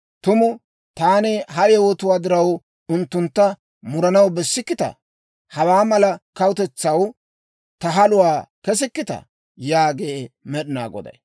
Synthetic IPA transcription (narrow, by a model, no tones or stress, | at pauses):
t̪ʊmʊ | t̪aːnɛɦɐʔɛwɔt̪ʊwaːd̪ɪɾɐw | ʊnt̪ːʊnt̪ːɐ | mʊɾɐnɐwbɛsːɪkːɪt̪ɐ̰ | hɐwaːmɐlɐkɐwʊt̪ɛt͡sːɐw | t̪ɐɦɐlʊwaːkɛs̬ɪkːɪt̪ɐ̰ | jaːɡemɛɗɪna̰ːɡɔ̰d̪ɐ̰j